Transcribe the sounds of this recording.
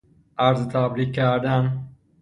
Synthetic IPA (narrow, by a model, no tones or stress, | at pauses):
aɾzt̪ʰabɾikːaɾd̪an